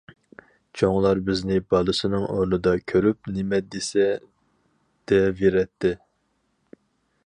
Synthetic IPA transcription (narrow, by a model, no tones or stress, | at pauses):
t͡ʃʰoŋlˠɑɾbɪznɪbɑlˠɨsɨnɨŋʔoɾnɨd̪ɑkʲʰøɾyp̚nɪmɛd̪esɛ | d̪̥ɛveɾɛt̪ʰːɪ